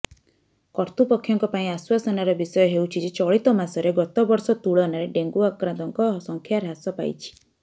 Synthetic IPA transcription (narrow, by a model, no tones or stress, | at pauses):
kɔɾt̪upɔkʰːjɔŋkɔpaĩaswasɔnaɾɔbisɔjɔɦewt͡ʃʰid͡ʒet͡ʃɔɭit̪ɔmasɔɾeɡɔt̪ɔbɔɾsɔt̪uɭɔnaɾeɖeŋɡuakɾãnt̪ɔŋkɔsɔŋkʰjaɾɦasɔpa̰j̰t͡ʃʰi̥